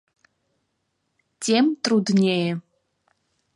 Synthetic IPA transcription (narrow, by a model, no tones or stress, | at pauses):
tʰemtʼrudnʲejɛ